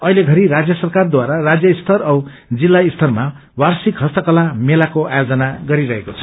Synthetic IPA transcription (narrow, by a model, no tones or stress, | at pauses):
ʌileɡʱʌɾiɾad͡zjʌsʌrkard̪waɾarad͡zjʌist̪ʰʌrʌw | d͡zilːaist̪ʰʌrma | warsikɦʌst̪ʌkʌlamelakoʔajod͡zʌnaɡʌɾiɾʌɦekot͡sʰʌ̥